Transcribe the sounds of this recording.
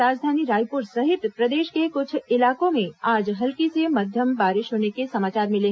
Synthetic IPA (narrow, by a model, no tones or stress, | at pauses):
aːd͡ʒd̪ʱaːniɾaːjpʊɾsəɦɪt̪pɾəd̪eːʃkekʊt͡ʃʰɪlaːkõmẽaːd͡ʒɦɐlkiseməd̪ʱjəmbaːɾɪʃɦoːnekesɐmaːt͡ʃaːɾmɪlẽ